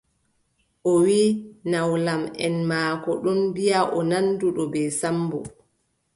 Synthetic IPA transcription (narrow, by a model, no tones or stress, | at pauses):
ʔɔwiːnawlamɛ̰nmaːkɔɗɔnbijaʔɔnanduɗɔbɛːsambɔ̰